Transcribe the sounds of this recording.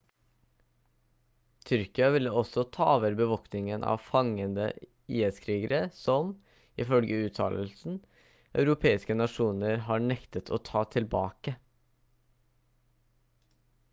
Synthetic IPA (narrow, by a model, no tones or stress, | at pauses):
t̪ʰʏɾkɪɑʋɪlːəɔsɔt̪ʰɑːʋəɾbəʋɔknɪŋənʔɑ̰ːʋfɑŋənd̪ə̰ | iːəskʰɾiːɡəɾəsɔm | ɪfœlɡəʉːt̪ʰɑ̰ːləlsn̩ | ʔɑʉɾʊpʰeːɪskənɑʂuːnəɾɦɑːɳɛkt̪ət̪ʰo̰ːt̪ʰɑːt̪ʰɪlbɑːkə